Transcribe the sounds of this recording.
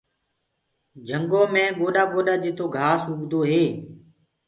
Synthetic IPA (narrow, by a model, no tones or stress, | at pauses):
d͡ʒʱəŋɡoːmẽːɠoːɗaːɡoːɗaːd͡ʒɪt̪ʰoːɡʱaːsɦʊɡd̪oːɦeː